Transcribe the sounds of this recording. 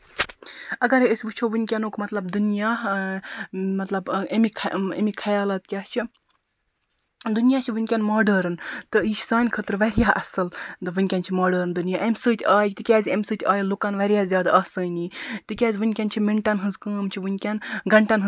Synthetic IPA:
ɐɡɐɾəsʲʋɨt͡ʃʰoʋɨnʲkʲanoːkmɐt̪lɐb̚d̪unjaː | mɐt̪lɐbemikʰḛmikʰɐjaːlat̪̚kʲaːt͡ʃʰi | d̪unijaːt͡ʃʰiʋɨnʲkʲanmaːɖəɾɨnt̪ɨiʃʰsaːnʲkʰət̪ɾʋɐɾjaʔɐsɨlɨʋɨnʲkʲant͡ʃʰimaːɖəɾɨnd̪unijaːʔemʲsɨːt̪ʲʰaːjt̪ɨkʲɛːzʲemsɨːt̪ʰʲaːjilukanʋɐɾʲjaːzʲjaːd̪ɐːsɨːnʲit̪ɨkʲaːzʲʋɨnʲkʲant͡ʃʰimeɳʈɐnɦɨzkəːmt͡ʃʰiʋɨnʲkʲanɡɐɳʈanɦɨ

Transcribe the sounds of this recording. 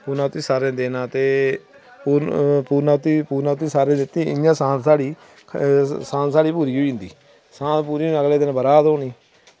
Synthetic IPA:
puːɾnaːʊt̪iːsaːɾẽːd̪eːnãːt̪eː | puːpuːɾnaːt̪iːpuːɾnaːt̪ːiːsaːɾẽːd̪ɪt̪ːĩːɪ̰jãːsãːnt̪saːɽiː | sãːnsaːɽiːpuːɾiːoiːnd̪ḭː | sãːpuːɾiːəɡleːd̪ɪnbəɾaːd̪oːniː

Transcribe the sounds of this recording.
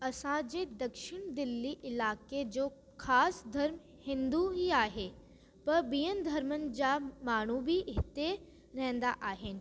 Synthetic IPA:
ɐsãd͡ʑeːd̪ɐkʃɪɽ̃d̪ɪlːiʔɪlaːked͡ʑoː | kʰaːsd̪ʱɐɾm | hɪ̃nd̪uɦiaːɦe | pɐɾbijənd̪ʱɐɾmən̆d͡ʑaːmaːɽ̤̃ubʱiʔɦɪt̪e | ɾɛɦɛ̃nd̪aʔaːɦɪnɪ̆

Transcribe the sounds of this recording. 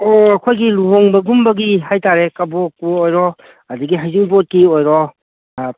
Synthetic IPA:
oɐkʰojɡiluɦoŋbɐɡumbɐɡiɦajtaɾekɐbok̚puojɾɔ | ɐduɡiɦajziŋbot̚kiojɾɔ

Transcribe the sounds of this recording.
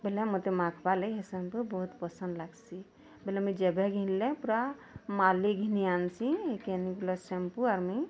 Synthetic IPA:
belɛmot̪emakʰpaleɦesempubəɦut̪pəsə̃nd̪laɡsi | belɛmid͡ʒebʱeɡʱĩnlẽpuɾamaliɡʱinijansĩekenikilɔsempuaɾmi

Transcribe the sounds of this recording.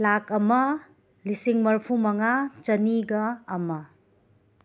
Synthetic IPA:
lakɐmɐ | lisiŋmɐɾpʰumɐŋat͡ʃɐniɡɐːmɐ

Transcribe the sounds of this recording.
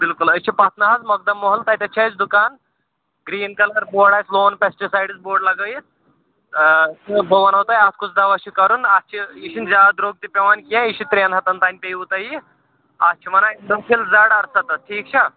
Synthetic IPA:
bilkulɐst͡ʃʰipɐt̪nɐɦɐzmɐɡ̚d̪ɐmːoɦɐlt̪ɐjt̪ɐt͡ʃʰɐt͡ʃd̪ukaːn | ɡɾiːnkɐlɐɾboːɽaːjsloːnpesʈisaːjɖisboːɖlɐɡəji | t̪bɐʋɐnɐwt̪aːjaskusd̪ɐʋɐt͡ʃʰikɐɾunɐst͡ʃʰiiʃinzʲaːd̪ɾoːɡ̚t̪ipʲeʋaːnkiãiʃit̪ɾeːnɦɐt̪ɐnt̪aːnʲpejut̪ɐji | ɐst͡ʃʰiʋɐnainɖɐpʰilzɐɽɐɾsɐt̪ɐʈʰiːk̚t͡ʃʰɐ

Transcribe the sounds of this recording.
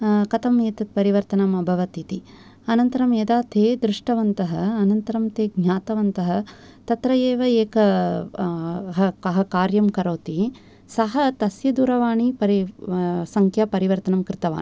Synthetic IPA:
kɐt̪ɐmeːt̪ɐt̪̚pɐɾiʋɐɾt̪ɐnɐmɐbʱɐʋɐt̪it̪i | ɐnɐnt̪ɐɾɐmjɐd̪aːt̪ʰeːd̪ɾɪʂʈɐʋɐnt̪ɐɦɐ̆ɐnɐnt̪ɐɾɐmt̪eːɡɲaːt̪ɐʋɐnt̪ɐɦɐ̆ | t̪ɐt̪ɾɐjeːʋɐeːkɐ | ɦɐkɐɦɐkaːɾjɐmkɐɾoːt̪i | sɐɦɐt̪ɐsjɐd̪uɾɐʋaːɳipɐɾisɐŋkʰjɐpɐɾiʋɐɾt̪ɐnɐmkɾɪt̪ɐʋa̰ːn

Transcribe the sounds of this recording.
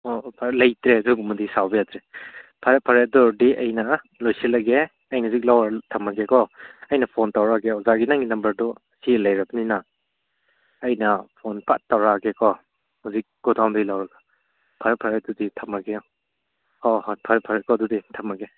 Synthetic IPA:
ɔpʰalɐjtɾeduɡumudisawbejatɾepʰaɾepʰaɾedɔdiʔɐjnɐ | lojsilɐɡe | ɐjnɐzik̬̚lawɾatʰɐmaɡekʰɔɐjnɐpʰontawɾaɡeɔzaɡinaŋɡinɐmbɐɾdɔ | silɐjɾɐbnina | jnɐpʰonpa̰ttːawɾaɡekʰɔ | huzik̚ɡ̥ɔdawdɐjlawɾɐɡḁ | pʰaɾepʰaɾeduditʰamaɡeɔ | ɔhɔt̚pʰaɾepʰaɾekʰɔduditʰɐmɐɡe

